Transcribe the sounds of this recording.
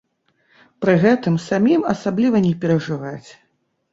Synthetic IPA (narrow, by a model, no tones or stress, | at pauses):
pɾɨɣɛt̪ɨmsamʲimɐsablʲivɐnʲɛpʲɛɾɐʐɨvat͡sʲ